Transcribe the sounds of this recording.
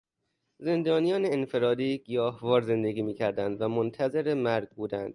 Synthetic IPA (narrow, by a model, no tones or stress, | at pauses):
ze̞nd̪ɒːnijɒːneːnfe̞ɾɒːd̪iːɡ̥ijɒːhvɒːɾze̞nd̪eɡiːmiːcʰæɾd̪ænd̪væmont̪ʰæze̞ɾemæɾɡ̚buːd̪ænd̪̥